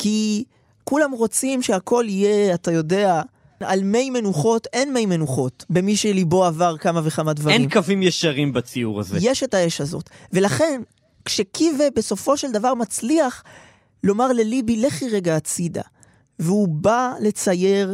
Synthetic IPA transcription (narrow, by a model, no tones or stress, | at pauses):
ki | kulamʁo̞t͡simʃeakʰo̞lije̞atajo̞de̞a | a̰lme̞jme̞nuχo̞te̞nme̞jmenuχo̞tbe̞miʃelibo̞avaʁkamaveχamadvaʁenimkavimjeʃaʁimbat͡siuʁa̰zejeʃe̞taeʃhazo̞̰tve̞laχe̞n | kʃe̞kʰivebe̞so̞fo̞ʃe̞ld̪avaʁmat͡sliaχ | lo̞maʁle̞libileχiʁeɡaːt͡sida̰ | veubale̞t͡saje̞ʁ